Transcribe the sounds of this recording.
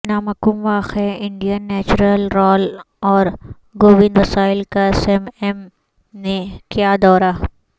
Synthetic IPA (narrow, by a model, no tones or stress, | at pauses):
naːmɐkumʋaːxeɪ̃ɳɖijənːɛːt͡ʃuɾəlɾɔːl | ɔːɾ | ɡoːʋɪ̃nd̪ʋɐsaːɪlkasemɛm | nekjaːd̪ɔːɾa